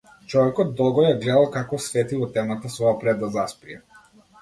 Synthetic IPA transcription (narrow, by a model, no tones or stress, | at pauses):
t͡ʃɔvɛkɔd̪̚d̪ːɔlˠɡɔjaɡlɛd̪alˠkakɔsvɛt̪ivɔt̪ɛmat̪asvɔapɾɛd̪ːazaspɾijɛ